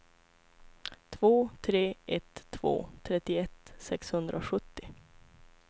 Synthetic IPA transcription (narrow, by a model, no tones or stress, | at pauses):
t̪ʰvoːt̪ʰɾeːʔɛt̪ʰːv̥o̰ːt̪ʰɾɛt̪ːɪɛt̪ːsɛkshɵnd̪ɾʔaɧɵt̪ːɪ